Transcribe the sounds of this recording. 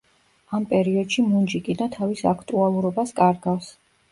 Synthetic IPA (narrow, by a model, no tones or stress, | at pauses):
ampʼɛɾiɔd̪ʃimund͡ʒikʼid̪at̪ʰavisakʰt̪ʼualˠuɾɔbaskʼaɾɡafs